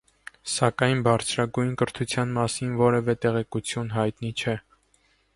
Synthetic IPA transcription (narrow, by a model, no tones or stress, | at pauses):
sɑkɑjnbɑɾt͡sʰɾɑɡujnkəɾt̪ʰut͡sʰjɑnmɑsinvɔɾɛvɛt̪ɛʁɛkut͡sʰjunɦɑjt̪nit͡ʃʰɛ